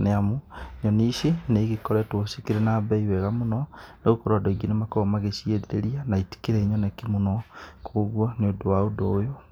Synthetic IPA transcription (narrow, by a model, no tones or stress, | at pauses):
neamoɲɔniʃeneɣekɔɾɛtwosikiɾenabɛiwɛɣamonɔneɣokɔɾwadoiɡinemakɔmaɣeʃieðeɾeɾianaiti̥keɾɛɲɔnakimonɔkʰoːɣwɔneodowaodoːjo